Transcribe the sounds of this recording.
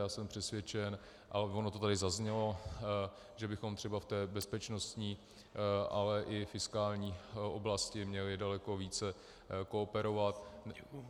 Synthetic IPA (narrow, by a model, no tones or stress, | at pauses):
aːsɛmpr̝̥ɛsvjɛt͡ʃɛn | ʔavonot̪ot̪adɪzazɲɛlo̞ | ʒɛbɪxo̞mt̪r̥ɛbaft̪ɛːbɛspɛt͡ʃno̞st̪ɲiː | ʔalɛʔɪfɪskaːlɲiːʔo̰blascɪmɲɛlɪdalɛko̞viːt͡sɛ | koːpɛɾo̞vat̪